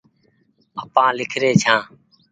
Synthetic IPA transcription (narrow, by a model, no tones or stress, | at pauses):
əpãːlɪkʰɾeːt͡ʃʰãː